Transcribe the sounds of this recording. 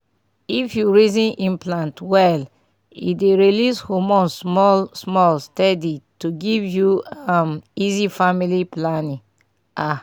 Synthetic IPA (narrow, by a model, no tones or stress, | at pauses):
ifjuɹizĩnʔĩmplãntwɛl | ḭdeɹilishomɔ̃nsmɔlsmɔlstɛdituɡivjuamizifamiliplanĩ | a